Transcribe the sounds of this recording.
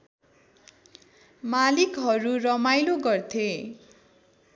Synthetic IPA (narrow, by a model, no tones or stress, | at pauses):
malikɦʌɾurʌmajloɡʌrt̪ʰe